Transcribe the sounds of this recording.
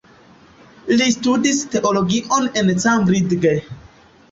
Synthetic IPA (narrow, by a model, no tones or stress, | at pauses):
listudiste̞ʔoloɡiʔonent͡sambɾidɡe